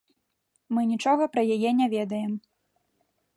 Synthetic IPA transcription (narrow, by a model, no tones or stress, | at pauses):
mɨnʲit͡ʂɔɣɐpɾɐjajɛnʲavʲɛd̪ɐjɛm